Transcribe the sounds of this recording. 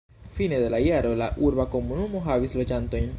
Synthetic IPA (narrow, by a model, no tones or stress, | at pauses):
fine̞d̪e̞laiaɾo̞laʔuɾbako̞munumo̞ɦavislo̞d͡ʒanto̞jn